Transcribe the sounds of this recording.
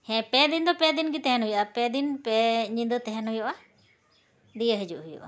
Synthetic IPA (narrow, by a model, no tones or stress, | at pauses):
hɛ̃pɛd̪ind̪ɔpɛd̪inɡit̪ɛɦɛnɦujʔapɛd̪inpɛɲind̪ət̪ɛɦɛnɦujɔʔa | d̪ijəɦid͡ʒuʔɦujṵʔa̰